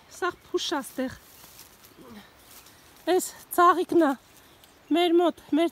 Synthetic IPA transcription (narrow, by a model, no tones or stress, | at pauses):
sɑʁpʰuʃɑst̪ɛʁ | ɛst͡sʰɑʁiknɑ | mɛɾmɔt̪mɛɾ